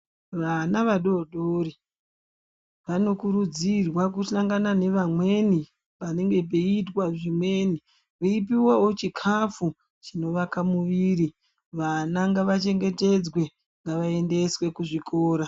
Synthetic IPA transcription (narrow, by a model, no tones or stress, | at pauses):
ʋanaʋaɗo̞ɗoɾi | ʋano̞kuɾud͡zirwak̬usaŋɡanane̞ʋamwe̞ni | pane̞ŋɡe̞p̬e̞itwaʐimwe̞ni | ʋeipiwawo̞t͡ʃikʰafu | t͡ʃino̞ʋakamuʋiɾi | ʋanaŋɡaʋat͡ʃe̞ŋɡe̞te̞d͡zwe̞ | ŋɡaʋae̞nde̞swe̞kuʐikʰoːɾa